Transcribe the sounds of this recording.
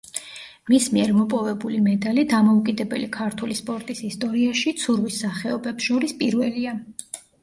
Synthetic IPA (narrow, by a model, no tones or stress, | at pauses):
mismiɛɾmɔpʼɔvɛbulimɛd̪alid̪amɔukʼid̪ɛbɛ̰likʰaɾt̪ʰulispʼɔɾt̪ʼisist̪ʼɔɾiaʃit̪sʰuɾvisːaχɛɔbɛpsʃɔɾispʼiɾvɛlia